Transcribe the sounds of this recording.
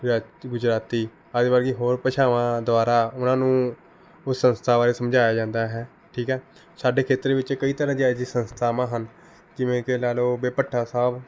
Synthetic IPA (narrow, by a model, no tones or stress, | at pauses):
aːɡʊd͡ʒɾaːt̪iː | əd͡ʒbaɾɡiɦoːɾpəʃʰaːʋãːd̪ʊaːɾaːʊnãːnũː | ʊsːənst̪ʰaːʋaːɾeːsəmd͡ʒaːjaːd͡ʒãːnd̪aːɦɛː | ʈʰiːkɦɛː | saːɖeːkʰeːt̪əɾeʋɪt͡ʃːkəiːt̪əɾãːd͡ʒ̪id͡ʒisənst̪ʰaːmãːɦən | kɪʋẽːkelɛːloːbeːpəʈʰːaːsaːb